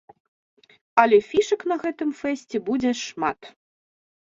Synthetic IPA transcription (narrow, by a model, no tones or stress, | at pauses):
ɐlʲɛfʲiʂɐknɐɣɛt̪ɨmfɛsʲt͡sʲɛbud͡zʲɛʂmat̪